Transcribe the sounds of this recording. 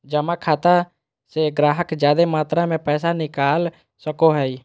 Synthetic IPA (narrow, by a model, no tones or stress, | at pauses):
d͡ʒəmakʰaːt̪a | seɡɾaːɦəkd͡ʒjaːd̪emaːt̪ɾamẽpɛːsanɪkaːl | səkoɦɛi